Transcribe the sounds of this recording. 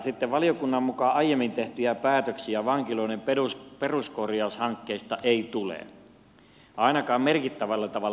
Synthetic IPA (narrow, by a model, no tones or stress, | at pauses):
sit̪ːeʋʋɑlijokunːɑmmukɑɑijemːint̪eht̪yjæpæːt̪øksiæʋɑŋkiloˑinempeusperuskorjɑˑushɑŋkːeist̪ɑʔeit̪ulḛ | ɑˑinɑkɑːmmerkit̪ːæʋælːɑt̪ɑʋɑ